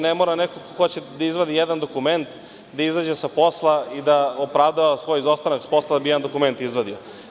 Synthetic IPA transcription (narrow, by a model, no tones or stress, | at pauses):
nemo̞ːɾanekokoxo̞t͡ɕed̪aizʋod̪ijed̪and̪o̞kume̞nt̪ | d̪aizad͡ʑesapo̞slˠaid̪aopɾavd̪aʋasʋo̞jizost̪anaksḁpo̞slˠad̪abijɛand̪o̞kument̪izʋod̪io